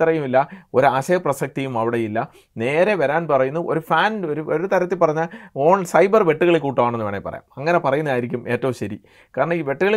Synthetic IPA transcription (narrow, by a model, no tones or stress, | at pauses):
ɐrɐjumilːɐo̞ɾuaɕɐjɐprɐsɐk̚t̪ijumɐʋiɽejilːɐ | ne̞ːɾe̞ʋɐɾaːnpɐrɐjunːɐʔo̞̰ɾufaːnoɾuoɾut̪ɐɾɐt̪ːilpɐrɐɲːɐoːɳsɐjbɐrʋe̞ʈːuɣɐɭekːuːʈːuʋaːɳenːuʋeːɳepːɐ̰rɐ̰ja̰ːmɐŋːɐnepɐrɐjunːɐðaːjiɾikʲːume̞ːtːɐʋumɕɐɾi | kaːɾɐɳɐiːʋe̞ʈːuɣɐɭ